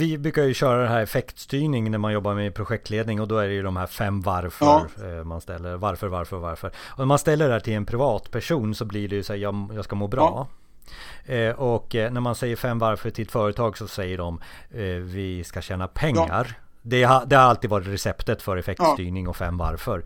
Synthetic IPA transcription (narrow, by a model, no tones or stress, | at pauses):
vɪbɾʉ̟ːkajɵɕœːɾad̪ɛnɦæːɾɛfɛkt̪st̪yːɳɪŋnæɾmanjɔbːaɾmɛpʰɾʊɧɛk̚t̪leːd̪nɪŋɔd̪ɔæɖɛjɵd̪ɔmhæɾfɛmːvaɾfœɾmanst̪ɛlːəɾvaɾfœɾvaɾfœɾva̰ɾfœɾɔnæɾmanst̪ɛlːəɖhæːʈʰɪlɛnpʰɾɪvɑːt̪pʰæʂuːnsɔblɪɖɛjɵsæːjɑjɑːɡskamoːbɾɑ̰ː | ʔɔkːnæɾmansɛjːəɾfɛmːvaɾfœʈʰɪlt̪fœːɾət̪ʰɑːɡsɔsɛjːəɖɔm | vɪskaɕɛːnapʰɛŋːa̰ɾ | d̪ɛhad̪ɛhaɾalt̪id̪vɑːɾɪt̪ɾɛsɛpt̪ət̪fœɾɛfɛk̚t̪st̪yːɳɪŋɔfɛmːva̰ɾfœɾ